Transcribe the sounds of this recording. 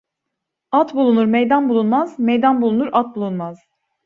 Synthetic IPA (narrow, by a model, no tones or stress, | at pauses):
at̪bulˠunuɾmejd̪anbulˠunmazmejd̪anbulˠunuɾat̪̚bulˠunmaz̥